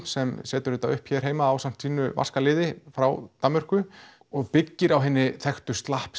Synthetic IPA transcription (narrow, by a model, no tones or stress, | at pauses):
sɛmsɛːt̪ʏɾɪt̪awʏhpçɛɾ̥ɦeːjmaːwsam̥t̪siːnʏ̰va̰skalɪːðɪfɾa̰wt̪amːʏr̥kʏ | ɔɣpɪcːɪɾawɦɛːnːɪθɛxt̪ʏst̪lahp